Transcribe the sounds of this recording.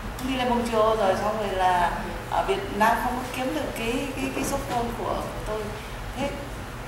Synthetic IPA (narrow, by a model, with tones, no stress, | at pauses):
ŋ͡mɗi˧le˧mo˧˩wt͡ɕi˧˩ə˩zo˨˩jsɔ˧wŋ͡mvə˨˩laː˨˩ | ʔəː˧˩ɓḭ˨˧˨ənnaː˧mxə˧wŋ͡mkə˨˦ki˨˦əmɗɨ˨˩əkːaː˨˦jkaː˨˦jka˨˦jsə˦˥t̚mo˧nku˧˩ə˧˨t̪o˧j | t̪ʰe˨˦